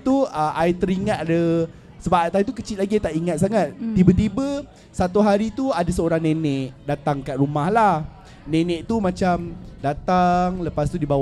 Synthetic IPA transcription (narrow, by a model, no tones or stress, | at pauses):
t̪uəʔait̪əɾiŋat̪adə | səbaʔt̪ait̪ukət͡ʃit̪̚laɡiat̪aʔiŋat̪̚saŋat̪̚t̪ibət̪̬ibə | sat̪uɦaɾit̪uadasəoɾaŋnẽnɛʔdat̪aŋkaʔ̪̚ɾumahlah | nẽnɛ̃ʔt̪umãt͡ʃamdat̪aŋləpast̪udibaw